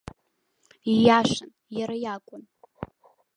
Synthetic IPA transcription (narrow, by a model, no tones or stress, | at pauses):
ijaʃan | jaɾajakʷʼʊn